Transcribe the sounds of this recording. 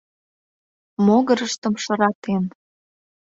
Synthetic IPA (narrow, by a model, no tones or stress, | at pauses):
moɣəɾəʃt̪əmʃə̆ɾɑt̪en